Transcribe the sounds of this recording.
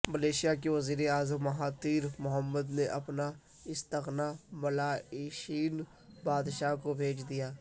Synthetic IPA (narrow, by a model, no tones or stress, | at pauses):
məleːʃijakeʋəziːɾeaːzəmɐɦaːt̪iːɾmʊɦəmːəd̪neʔɐpna | ɪst̪əqnabɐlaːeːʃiːn | baːd̪ʃaːkobʱeːt͡ʃʰd̪ijaː